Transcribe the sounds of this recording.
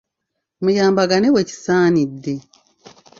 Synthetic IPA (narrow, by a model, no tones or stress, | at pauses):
mujaːmbaɡaneweci̥saːnidːe